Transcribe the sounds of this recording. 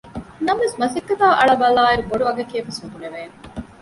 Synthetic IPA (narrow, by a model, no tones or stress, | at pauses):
nɐmʋesmɐsikːɐt̪aːʔɐɭɐbɐlaːiɾuboɖuɐɡɐkiɐfɐsʋod̪uleʋeːn